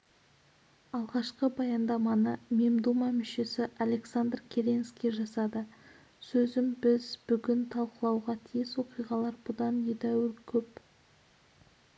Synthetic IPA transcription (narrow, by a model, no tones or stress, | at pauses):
ɑlˠʁɑʃqəbɑjɑnd̪ɑmɑnəme̞md̪umɑmʏʃe̞sɪʔale̞ksand̪rkʲʰeɾʲenskʲiʒɑsɑd̪ə | sɵzɪmbɪzbʏɡʲɪnt̪ʰɑlˠqəlˠɑwʁɑt̪ʰijɪswo̞qijʁɑlˠɑɾbʊd̪ɑnjed̪æwɪɾkʲʰɵp